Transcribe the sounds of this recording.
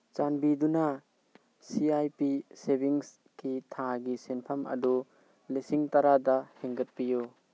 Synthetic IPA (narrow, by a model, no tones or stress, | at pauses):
t͡ʃanbiduna | siajpisebiŋs | kitʰaɡisenpʰamɐ̰du | lisiŋtaɾadaheŋɡɐt̚piju